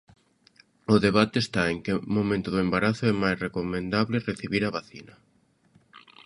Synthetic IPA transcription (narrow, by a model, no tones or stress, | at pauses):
ʊðeβ̞at̪eːst̪aeŋkemomẽnt̪ʊðʊembaɾaθʊɛmajsrekomẽnd̪aβlɪreθiβiɾaβaθinɐ